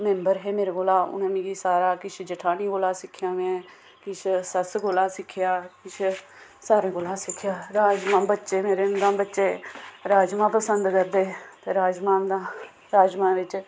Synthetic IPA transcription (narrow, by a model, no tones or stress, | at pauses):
mɛ̃mbəɾɦeːmeːɾeɡoːlaːʊ̰nẽːmɪ̃ɡiːsaːɾaːkɪt͡ʃʰd͡ʒəʈʰaːniːɡoːlaːsɪkʰːjãːmɛ̃ː | kɪt͡ʃʰsəsɡoːlaːsɪkʰːɪjaːkɪt͡ʃʰ | saːɾẽːɡoːlaːsɪkʰjaːɾaːd͡ʒmãːbətːʃeːmeːɾeːnd̪ãːbətːʃeːɾaːd͡ʒmãːpəsənd̪kəɾd̪eːt̪eːɾaːd͡ʒmãːd̪ãː | ɾaːd͡ʒmãːʋɪt͡ʃ